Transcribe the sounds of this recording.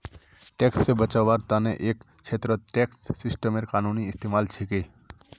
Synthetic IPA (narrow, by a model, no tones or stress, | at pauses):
ʈekssebət͡ʃabaɾt̪aneʔek | t͡ʃʰet̪ɾət̪ʈeksːisʈəmeɾkanuniːst̪emalt͡ʃʰike